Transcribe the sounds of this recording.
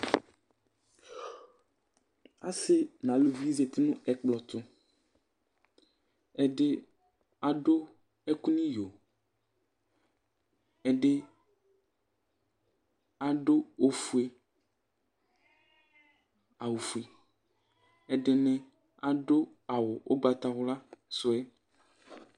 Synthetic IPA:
a˦se˦nã˨lo˨vi˦ze˨t̪i˦nũ˦ɛ˨k͡plɔ˨t̪ʊ˦ | ɛ˨ɖe˦ | a˨ɖo˦ | e˦ku˦nĩ˦jo˨ | e˨ɖe˦ | a˨ɖo˦o˦fu˨˦e˨ | a˨wo˨fu˨e˨ | e˨ɖe˨nɛ̃˨ | a˨ɖo˦ | a˨wʊ˨wo˦ɡ͡ba˨t̪a˨ɣʊ˦la˦sʊ˦e˦

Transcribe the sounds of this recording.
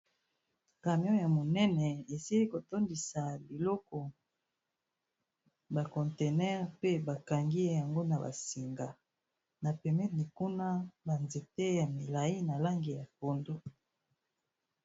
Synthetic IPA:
ka˨mjɔ˦ja˨mo˨nɛ˦nɛ˨e˨si˦li˦ko˨to˦ndi˨sa˨bi˨lɔ˦kɔ˨ | ba˨kɔ˨nte˨nɛ˦ʁpe˦ba˨ka˨ŋɡi˦ja˨ŋɡo˦na˨ba̰˨si˨ŋɡa˨ | na˨pɛ˨mɛ˦tni˨ku˦na˦ba˨nze˨te˦ja˨mi˨la˨ji˦na˨la˦ŋɡi˨ja˨po˨ndo˦

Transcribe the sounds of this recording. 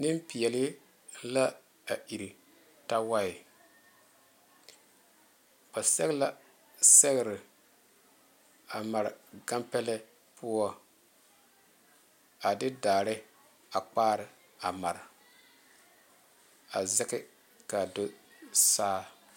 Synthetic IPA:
nɪ˦mpi˨ɛ˨lɪ˦ | la˦ | a˨ʔi˨ɾi˨ | ta˦wa˦ɪ˨ | ka˨sɛ˦ɣla˦ | sɛ˦ɣɪ˨ɾɪ˨ | a˨ma˨ɾɪ˨ɡa˦mpɛ˦lɛ˦ | pʰʊ˦ɔ˦ | a˨dɪ˦daː˨ɾɪ˦ | a˨k͡paː˦ɾɪ˨ | a˨ma˨ɾɪ˨ | a˨zɛ˦kɪ˦ | ka˨do˦saː˦

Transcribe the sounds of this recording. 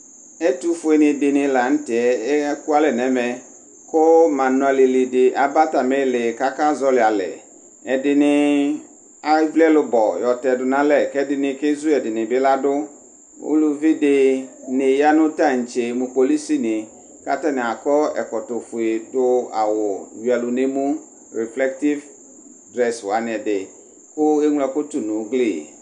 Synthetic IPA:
ɛ˦tu˦fʊ˨e˨nɪ̃˨dɪ˨nɪ̃˨la˨n̩˦tɪ˨ɛ˦ku˦a˦lɛ˨nɛ̃˨mɛ˨ | kʊ˦mã˨nʊ̃˨a˨lɪ˨lɪ˨dɪ˨ʔa˨ba˦ta˨mɛ˦lɪ˨ka˦ka˦zɔ˦lɪ˨a˨lɛ̰˨ | ɛ˨dɪ˨nɪ˨ | a˦vlɛ˦lʊ˦bɔ˨jɔ˨tɛ˨dʊ˨nã˦lɛ˨kɛ˦dɪ˨nɪ̃˨kɛ˦zu˦ɛ˨dɪ˨nɪ̃˨bɪ˦la˦dʊ˦ | ʊ̰˦lʊ˦vi˦dɪ˨nɪ˨ja˦nʊ̃˦ta˦˨n̩˨t͡ʃe˨mʊ̃˨po˨li˦si˦nɪ˨ | ka̰˦ta˦nɪ̃˨a˨kɔ˦ɛ̰˨kɔ˨tʊ˨fʊ˨e˨dʊ˦a̰˨wʊ˨wi˨a˨lʊ˨ne˦mũ˦ | ɾi˨flɛ˦k̚ti˦v | dɾɛ˦swa˨˦nɪ̃˨ɛ˨dɪ˨ | kʊ˦e˦ŋʷ˦lɛ˨kʊ˦tʊ˨nʊ̃˨˦ɡli˦˨

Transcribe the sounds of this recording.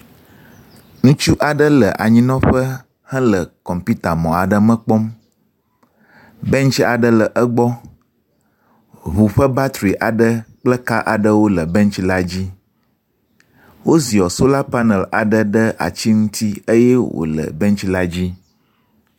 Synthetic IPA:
ŋũ˦t͡ʃu˦ʔa˨ɖə˦lə˨ʔa̰˨ɲĩ˦nɔ̃˦ɸə˦ | hə̃˦lə˨kɔ˨mpi˦t̪a˨mɔ̃˨a˨ɖə˦mə̃˦k͡pɔ˦m | bɛ̃˦nt͡ʃi˦a˨ɖə˦lə˨ʔə˦ɡ͡bɔ˦ | ɦu˨ɸə˦ba˦t̪ɾi˨ʔa˨ɖə˦k͡plə˦ka˦ʔa˨ɖə˦wo˦lə˨bɛ̃˦nt͡ʃi˦la˦d͡ʑi˦ | wo˦zi˨ɔ˨so˦la˦pa˦nɛ˨la̰˨ɖə˦ɖə˦ʔa̰˨t͡ɕi˦ŋũ˦t̪i˦ə˦jɛ˦wo̰˨lə̰˨bɛ˦ŋt͡ʃi˦la˦d͡ʑi˦

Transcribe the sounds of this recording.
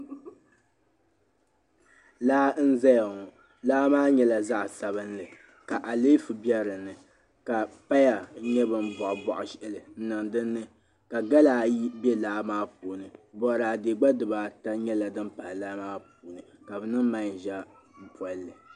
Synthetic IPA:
laː˦n̩˦za˦ja˨ŋɔ˨ | laː˦maː˦ɲɛ˦la˨za˦ʔsa˨bɨ˦nlɨ˨ | ka˨ʔa˨le˦fɨ˨bɛ˦ɾɨ˨nːɨ˨ | ka˨pa˦ja˨˦ɲɛ˦bɨ˨m˦bɔ˨ʔbɔ˨ʔʊ˨ʃʔɛ˦lɨ˨n̩˦nɨ˨ŋdɨ˦nːɨ˦ | ka˨ɡa˦laː˨ji˦bɛ˦laː˦maː˦pu˨nɨ˨bɔ˨ɾaː˨de˨ɡ͡ba˦dɨ˨baː˨ta˦ɲɛ˦la˨dɨ˦mpa˨laː˦maː˦p̚uː˨nɨ˨ka˨bɨ˨nɨ˦mma˦˨ʒa˦m̩˦pʰɔ˦lɨ˨

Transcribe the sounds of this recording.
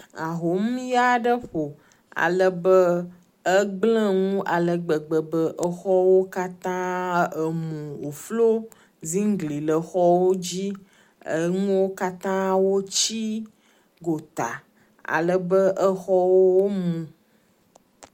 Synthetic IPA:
a˨ɦo˨˦m˦ja˦ɖə˦ɸo˨ | a̰˨lə˦bə˦ | ə˦ɡ͡blə̃˦ŋũ˦ʔa˨lə˨ɡ͡bə˨ɡ͡bə˨bə˦ʔə˦xɔ˦wo˦ka˦t̪ã˦ə˨mũ˨o˨flo˦ | zĩ˦ŋ˦ɡli˨lə˨xɔ˦wo˦d͡ʑi˦ | ə̰˨ŋũ˦wo˦ka˦t̪ã˦wo˦t͡ɕi˦ | ɡo˨t̪a˨ | a̰˨lə˨bə˦ʔə˦xɔ˦wo˦wo˦mũ˨

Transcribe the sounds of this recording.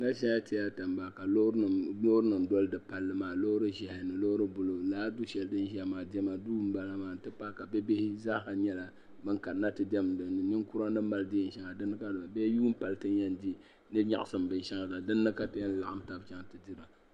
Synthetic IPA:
na˦ʃɛ˦a˦tɪ˦ja˦ta˨mba˨ka˨lo˦˨lo˦hʊ˦ɾɨ˦nɨ˨m˨dɔ˦lɨ˦dɨ˨pa˨lːɨ˦maː˨lo˦hʊ˦ɾɨ˦ʒɛ˨hɪ˨nɨ˨lo˦hʊ˦ɾɨ˦bʊ˨lo˨laː˦du˦ʃɛ˨ldɨ˦n˦ʒɛ˦maː˨dɛ˦ma˨duː˦m̩˦ba˦la˦maː˨n˨tɨ˦pa˦ka˨bɛ˦be˦hɪ˦za˦ka˨ɲɛ˦la˨ | bɨ˦ŋka˨˦na˦tɨ˨dɛ˦m˨dɨ˨ɨ˨nɪ˦ŋku˦ɾa˦nɨ˦ma˦ldɪ˦˨n̩˦ʃɛ˦ŋa˨dɨ˦nːɨ˦ka˦dɨ˨la˨bɛ˦juː˦m̩˦pa˨ltɨ˦njɛ˦n˦di˦ | nɨ˦ɲa̰˨ʔa˨sɨ˨mbɨ˨n˨ʃɛ˦ŋa˨la˨dɨ˦nːɨ˦ka˦tɨ˦jɛ˦n˨la˨ʔa˦m˦ta˦bt͡ʃɛ˦ŋ˨tɨ˨di˦ɾa˨

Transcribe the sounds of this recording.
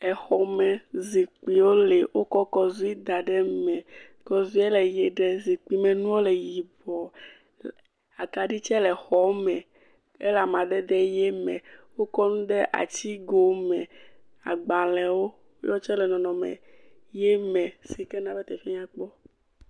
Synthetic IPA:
ɛ˨xɔ˨mɛ̃˨zi˨k͡pi˨wo˦le˨wʔo˦kɔ˦kɔ˦zu˦i˦d̪a˨ɖɛ˦mɛ̃˨ | kɔ˨zu˦e˦lɛ˨je˨ɖɛ˦zi˨k͡pi˦mɛ̃˨nũ˦wo˦le˨ji˨bɔ˨ | a˨ka˨ɖi˦t͡ʃɛ˦lɛ˨xɔ˨˦mɛ̃˨ | ḛ˦la˨mã˨ɖɛ˦d̪ɛ˦jɛ˦mɛ̰̃˨wo˦kɔ˦nũ˦ɖ̪ɛ˦ʔa̰˨t͡ɕi˦ɡo˨˦mɛ̃˨ | a̰˨ɡ͡bã˨lɛ˨wo˦ | jɔ˦t͡ʃɛ˦lɛ˨nɔ̃˨nɔ̃˨mɛ̰˨ | jɛ˦mɛ̃˨si˨kɛ˦nã˨be˦t̪ɛ˨fi˦ɲã˦k͡pɔ˦

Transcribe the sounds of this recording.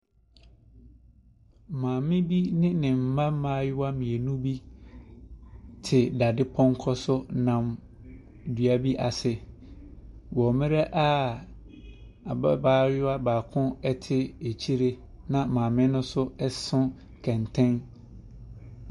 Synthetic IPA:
mãː˨mɪ̃˦bi˦nɪ̃˦nɪ̃˨m̩˨mã˦mãː˦jʊ˦wa˦mĩ˨e˨nũ˦bi˦ | tʰɪ˨da˨dɪ˦pʰɔ̃˦ŋ˦kʰɔ˦sʊ˦nã˨m | dɥa˨bi˦ʔa˨sɪ˨ | wɔ˨mɪ̃˦ɾɛ˦ʔa˦ | a˨ba˦baː˦jʊ˦a˦baː˨kʰʊ̃˦ɛ˦tʰɪ˦e˨t͡ɕʰi˦ɾe˦ | nã˨mãː˨mɪ̃˦nʊ̃˦sʊ˦ɛ˦sʊ̃˦ | kʰɛ̃˨ntʰɛ̃˦n

